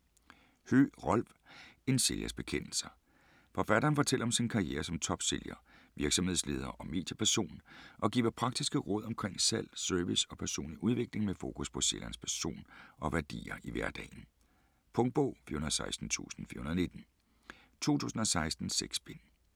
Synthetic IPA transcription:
hø̰ʁɒl̰ʋ | e̝nse̝ljæ̰sb̥e̝kʰen̰l̩sɐ | fɒ̽fæɾ̥ɐːnfɒ̽t͡sʰel̰ɐɒ̽msinkʰɑ̈ijḛːɐsɒ̽mt͡sʰɒ̽b̥se̝ljɐ | ʋiɐɡ̥sɒ̽mhe̝ðˠsle̝ːð̞ˠɐːʔɒ̽me̝̰ːd̥ʰɐpʰæɐso̝̰ːnʔɒ̽ɡ̥ḭːʋɐpʰʁɑ̈ɡ̥d̥isɡ̥əʁɔ̽ð̞̰ˠɒ̽mkʰʁeŋ̰sæl̰søɐʋisɒ̽pʰæɐso̝̰ːnliʔuð̞ˠʋe̝ɡ̥le̝ŋmefo̝̰ːkʰuspʰɒ̽selæɐnspʰæɐso̝̰ːnɒ̽ʋæɐd̥ḭːɐʔiʋæɐd̥ɛ̰ːn̩ | pʰɔ̽ŋd̥̚b̥ɔʊ̰fḭɐhunɐðˠsɑ̈ɪsd̥n̩t͡sʰṵːsn̩fḭɐhunðˠne̝d̥n̩ | t͡sʰo̝̰ːt͡sʰṵːsn̩ɒ̽sɑ̈ɪsd̥n̩seɡ̥sb̥en

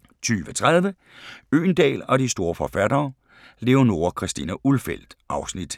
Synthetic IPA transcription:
t͡sʰyːʋət͡sʰʁað̞ˠʋə | ø̰ːnd̥ɛ̰ːlɒ̽disd̥o̝ːɐfɒ̽fæd̥ɐː | le̝ʊno̝ɐkʰʁɛsd̥ḭnæʔulfel̰d̥ʔɑ̈ʊsnid̥

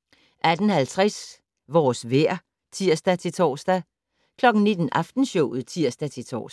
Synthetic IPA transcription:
ʔæd̥ən̩hælt͡sʰʁɛs | ʋɒːsʋeɐ̰ | t͡sʰiɐ̰sd̥æt͡sʰe̝t͡sʰɒ̰ːsd̥æ | kʰlɒ̽ɡ̥n̩ne̝d̥n̩ʔɑ̈fd̥n̩ɕɔʊð̩ˠt͡sʰiɐ̰sd̥æt͡sʰe̝t͡sʰɒ̰ːs

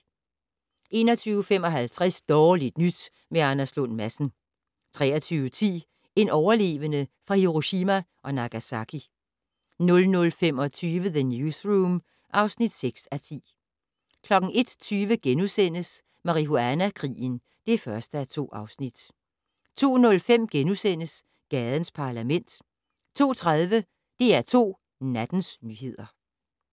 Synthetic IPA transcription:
ʔe̝̰ːnɒ̽t͡sʰyːʊəfemɒ̽ɦælt͡sʰʁɛsd̥ɒːlid̥nyd̥ | meɑnæslɔn̰mæsn̩ | t͡sʰʁɛ̰ːɐt͡sʰyːʊət͡sʰḭː | e̝nɒʊɐle̝̰ːʋənəfʁɑ̈hiʁoɕimæʔɒ̽nɑ̈ɡ̥æsɑkʰi | nɔ̽lnɔ̽lfem̰ɒ̽t͡sʰyːʋəðənjusʁuːm | ʔɑ̈ʊsnid̥seɡ̥sæt͡sʰḭː | kʰlɒ̽ɡ̥n̩ʔe̝d̥t͡sʰyːʋəɡ̥enusen̰əs | mɑ̈ʁiɦoænækʰʁḭːən | d̥e̝fɶɐsd̥əæt͡sʰo̝̰ːɑ̈ʊsnid̥ | t͡sʰo̝̰ːnɔ̽lfem̰ɡ̥enusen̰əs | ɡ̥ɛːð̞ˠən̩spʰɑ̈læmen̰d̥ | t͡sʰo̝̰ːt͡sʰʁaðˠʋə | d̥e̝æɐt͡sʰo̝̰ː | næd̥n̩snyɦe̝ð̰ˠɐ

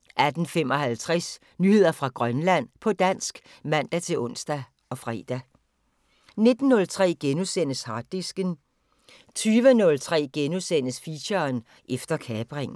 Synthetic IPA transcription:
ʔæd̥n̩fem̰ɒ̽hælt͡sʰʁɛs | nyhe̝ð̰ˠɐfʁɑ̈ɡ̥ʁɶnlæn̰pʰɒ̽d̥æn̰sɡ̥ | mæn̰d̥æt͡sʰe̝lɔ̽n̰sd̥æ | ɒ̽fʁɛ̰ːd̥æ | ne̝d̥n̩ːɔ̽lt͡sʰʁɛ̰ːɡ̥enusen̰əshɑ̥̈isɡ̥ən | t͡sʰyːʋənɔ̽lt͡sʰʁɛ̰ːɡ̥enusen̰əsfiɕɐn | ʔefd̥ɐkʰɛːb̥ʁeŋn

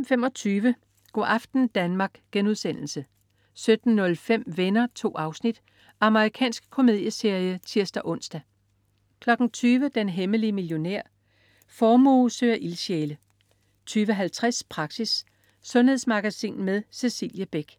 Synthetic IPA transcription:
m̩femɒ̽t͡sʰyːʋə | ɡ̥ɒ̰ɑ̈fd̥n̩d̥ænmɑ̈ːɡ̥ɡ̥enuðˠsen̰l̩sə | sød̥n̩ːɔ̽lfem̰ʋenɐt͡sʰo̝̰ːɑ̈ʊsnid̥ | ʔɑ̈məʁikʰɛ̰ːnsɡ̥̚kʰo̝me̝ð̞ˠjəse̝ɐjət͡sʰiɐsd̥æʔɔ̽n̰sd̥æ | kʰlɒ̽ɡ̥n̩t͡sʰyːʋəd̥enɦeməliəmiljo̝neɐ̰ | fɒːmoːsøːɐʔilɕeːlə | t͡sʰyːʋəɦælt͡sʰʁaspʰʁɑ̈ɡ̥sisː | ɔ̽nhe̝ð̞ˠsmɑ̈ɡ̥æsḭːnmeðˠse̝sḭːljəb̥eɡ̥

